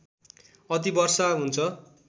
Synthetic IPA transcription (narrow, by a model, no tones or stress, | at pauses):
ʌt̪̬ibʌrsaɦunt͡sʰʌ